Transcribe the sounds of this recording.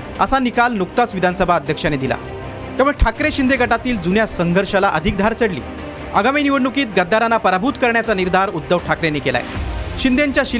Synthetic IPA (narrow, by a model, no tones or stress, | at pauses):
ə̰sanikalnukt̪at͡sʋid̪ʱansəbʱaəd̪ʱjəkʂaned̪ila̰ | t̪jamuɽʈʰakɾeɕind̪eɡʱəʈat̪iːld͡zunjasəŋɡʱəɾɕalaʔəd̪ʱik̚d̪ʱaɾt͡səɽlḭː | əɡaminiʋəɽnukiːt̪ɡəd̪ːaɾanapəɾabʱuːt̪kəɾɳjat͡saniɾd̪ʱaɾud̪ːəʋʈʰakɾenekela̰j̰ɕind̪ʱeɲt͡ɕjaɕi